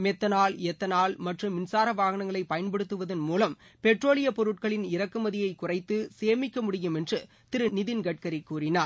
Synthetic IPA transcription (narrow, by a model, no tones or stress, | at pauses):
mɛt̪ːɐnaːlɛt̪ːɐnaːlmɐʈrɯmːɪnsaːɾɐʋaːɣɐɳɐŋɡɐɭɐɪpɐjɐnpɐɽɯt̪ːɯʋɐðɐnmuːlɐmpɛʈroːlɪjɐpɔɾɯʈ̚kɐɭɪnɪɾɐkːɯmɐðɪjɐɪkːʊrɐɪt̪ːɯseːmɪkːɐmʊɽɪjɯmɛndrɯ | t̪ɪɾɯnɪðɪnɡɐʈ̚kɐɾikːuːrɪnaːɾ